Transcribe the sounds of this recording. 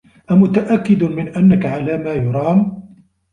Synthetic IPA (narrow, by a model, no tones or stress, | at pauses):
ʔamʊt̪aʔakːɪd̪mɪnʔanːakaʕalaːmaːjʊɾˤɑːn